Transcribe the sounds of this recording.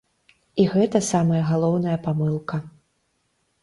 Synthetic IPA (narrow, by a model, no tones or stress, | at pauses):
iɣɛt̪ɐsamɐjɐɣalˠɔwnɐjɐpamɨlˠkɐ